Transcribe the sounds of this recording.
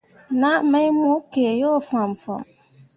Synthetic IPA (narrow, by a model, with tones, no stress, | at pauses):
na˦˨me˦jmʊ˦ke˨jo˦˨fa˨m̩˨fɔ̰˨m